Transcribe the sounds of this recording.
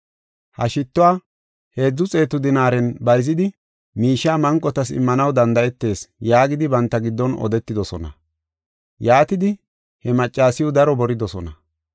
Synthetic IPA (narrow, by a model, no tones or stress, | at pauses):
hɐ̰ʃɪt̪ːʊwaː | he̞ːd͡zːʊt͡sʼe̞ːt̪ːʊd̪ɪnaːɾɛnbɐjzɪd̪ɪ | miːʃːaːmɐŋkʼːɔt̪ɐsɪ̰mːɐnɐwd̪ɐnd̪ɐɛt̪ːe̞ːsjaːɡɪd̪ɪbɐnt̪ːɐɡɪd̪ːɔnɔ̰d̪ɛt̪ːɪd̪ɔsɔnɐ̰ | jaːt̪ɪd̪ɪ | hɛmɐt͡ʃʼːaːsɪjʊd̪ɐɾɔbɔɾɪd̪ɔsɔnɐ